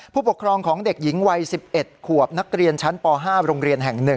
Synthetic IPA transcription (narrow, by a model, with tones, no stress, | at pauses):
pʰuː˥˩pu˨˩kʰɾɔː˧ŋkʰɔː˩˦ŋde˨˩k̚ji˩˦ŋwa˧jsi˨˩p̚ʔe˨˩t̪̚kʰu˨˩əp̚na˦˥k̚ɾi˧ənt͡ɕʰa˦˥npɔː˧ɦaː˥˩ɾoː˧ŋɾi˧ənɦɛ˨˩ŋnɯ˨˩ŋ